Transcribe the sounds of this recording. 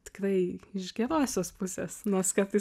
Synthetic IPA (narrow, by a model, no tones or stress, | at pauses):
t̪ʲɪ̥krɐɪɪʃɡʲɛɾoːsʲoːspʊsʲeːsnoːskɐɾt̪ɐɪ